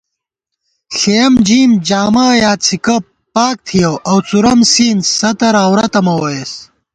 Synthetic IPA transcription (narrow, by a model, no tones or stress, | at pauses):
ɬejɐmd͡ʑiːmd͡ʑaːmaːjaːt͡sʰikɐ | paːk̚t̪ʰijɐwʔɐwt͡suɾɐmsiːnsɐt̪ɐɾaːwɾɐt̪ɐmɐwɐjes